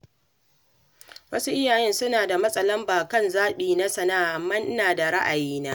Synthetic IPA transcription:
wɐ˦su˦ʔɪ˦jaː˨jɛ˦nsʊ˦naː˨da˨mɐ˦sʼɐ˦lɐ˦mbaː˨kɐ˦nzaː˦ɓiː˨na˦sɐ˨naː˦˨ʔmɐ˦n˦naː˨da˨ɽa˦ʔa˨jiː˦naː˦ʔ

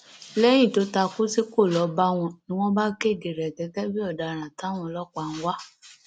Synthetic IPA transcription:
lɛ˦j̃ĩ˦˨to˨˦ta˧ku˦si˦ko˦˨lɔ˨˦ba˦w̃ɔ̃˧nĩ˦w̃ɔ̃˦ba˦ke˦˨de˨ɾɛ˨ɡɛ˨˦ɡɛ˦bi˦ɔ˦˨da˨ɾ̃ã˨ta˨˦w̃ɔ̃˧lɔ˦k͡pa˧˨ñ̩˦wa˦

